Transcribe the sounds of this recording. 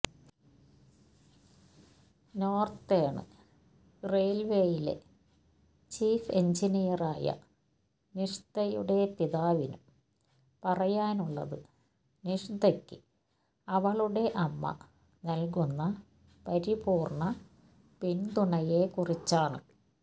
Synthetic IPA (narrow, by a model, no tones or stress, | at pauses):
no̞ːrt̪eːɳɨ̰ | rejlʋejilḛ | t͡ɕiːfeɲd͡ʑinijɐraːjɐ̰ | niʂd̪ɐjṵɽe̞piðaːʋinum | pɐrɐjaːnuɭːɐ̰ðɨ | niʂid̪ɐkːɨ | ɐʋɐɭuɽe̞ʔɐmːɐ̰ | nɐlk̬unːɐ | pɐɾibuːrɳɐ | pint̪uɳɐjekurit͡ɕːaːɳɨ̰